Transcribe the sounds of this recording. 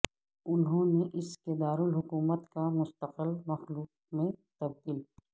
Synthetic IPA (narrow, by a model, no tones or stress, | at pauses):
ʊnɦõneʔɪsked̪aːɾʊlɦʊkuːmət̪kamʊst̪əqəlmɐxluːq̚ | mẽt̪ɐb̚d̪iːl